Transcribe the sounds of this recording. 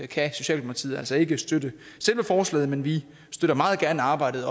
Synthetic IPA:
kʰæso̝ɕɛ̰ːl̥empʰɑ̥t͡sʰḭð̩ˠælsɒ̽e̝ɡ̥əsd̥ødə | sel̰ʋəfɒːslɛ̰ːð̩ˠmenʋi | sd̥øɾɐmɑ̈ːð̩ˠɡ̥æɐnəɑ̈ːb̥ɑ̈ɪ̰d̥ð̩ˠɒ

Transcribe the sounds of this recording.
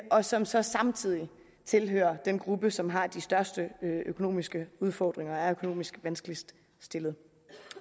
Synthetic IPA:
ʔɒ̽sɒ̽msɒ̽sɑ̈mt͡sʰið̞̰ˠi | t͡sʰe̝lɦø̰ːɐd̥enɡ̥ʁub̥əsɒ̽mɦɑ̈d̥isd̥ɶɐsd̥əøkʰo̝no̝̰ːmisɡ̥əuð̞ˠfɒ̰ːd̥ʁeŋɐæɐøkʰo̝no̝̰ːmisɡ̥ʋænsɡ̥lisd̥ | sd̥e̝lð̩ˠ

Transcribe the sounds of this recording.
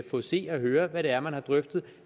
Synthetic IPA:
fɔ̰̽se̝̰ːɒɦøːɐʋæɾ̥e̝æɐmænhɑ̈d̥ʁœfd̥ð̞̩ˠ

